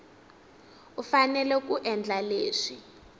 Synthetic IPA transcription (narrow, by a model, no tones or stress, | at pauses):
ufanɛlɛk̬uʔɛnd͡ɮaleːʂi